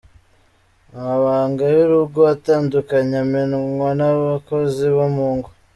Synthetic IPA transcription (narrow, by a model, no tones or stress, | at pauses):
aaβaːŋɡajuɾuɡoataːndukaɲamenŋwanaβako̞ziβamuːŋɡo